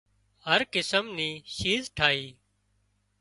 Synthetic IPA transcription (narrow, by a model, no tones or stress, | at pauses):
ɦəɾkɪsəmniːʃiːzʈʰaːiː